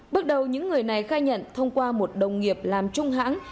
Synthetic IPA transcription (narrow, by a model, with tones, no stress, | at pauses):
ɓə˦˥t̚ɗə˨˩wɲɨ̰˧˥ŋːɨ˨˩əjna˨˩jxaː˧jɲə̰˧˨nt̪ʰə˧wŋ͡mkwaː˧mo˨˩t̚ɗə˨˩wŋ͡mŋi˨˩əp̚laː˨˩mt͡ɕʊ˧ŋ͡mɦa̰ː˧˥ŋ